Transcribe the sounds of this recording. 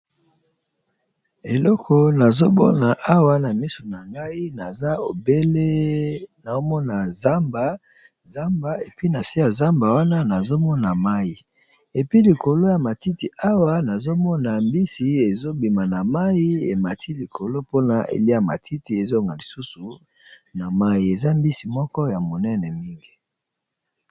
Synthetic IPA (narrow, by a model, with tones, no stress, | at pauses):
e˨lɔ˦kʰɔ˨na˨zo˦bɔ̰˦na˨ʔa˦wa˦na˨mi˦so˨na˨ŋɡa˦i˦na˨za˦o˨be˦le˦na˨o˦mɔ˦na˨za˦mba˨ | za˦mba˨e˨pi˦na˨si˦ja˨za˦mba˨wa˦na˦na˨zo˦mɔ˦na˨ma˦i˨ | e˨pi˦li˨ko˨lo˦ja˨ma˨ti˦ti˨ʔa˦wa˦na˨zo˦mɔ˦na˨mbi˦si˨e˨zo˦bi˨ma˨na˨ma˦ji˦e˨ma˨tʰi˦li˨kʰo˨lo˦po˦na˨ʔḛ˨li˦a˨ma̰˨tʰi˦ti˦e˨zo˦˨ŋɡa˨li˨su˦su˨ | na˨ma˦ji˨e˨za˦mbi˦si˨mɔ˦kɔ˦ja˨mo˨nɛ˦nɛ˨mi˦ŋɡi˦